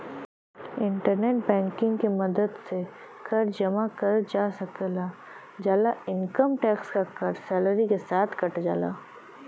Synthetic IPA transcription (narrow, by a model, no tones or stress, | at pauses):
ɪ̃ɳʈəɾneːʈ̚bɛ̃ːŋkɪ̃ŋɡkemɐd̪əd̪se | kʰɐɾd͡ʒɐmakɐɾd͡ʒaːsɐkelaː | d͡ʒaːlaɪnkəmʈɛːkskakɐɾsɛːləɾikesaːt̪ʰkɐʈd͡ʒa̰ːla̰ː